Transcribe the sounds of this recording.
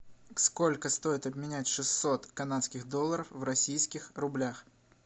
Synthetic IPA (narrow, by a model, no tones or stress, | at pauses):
sko̞lʲkəst̪o̞jɪt̪ɐbmʲɪnʲætʲʂɨsːo̞t̪kɐnat̪skʲɪɣd̪o̞lˠːəɾəfvrɐsʲijskʲɪxrʊblʲax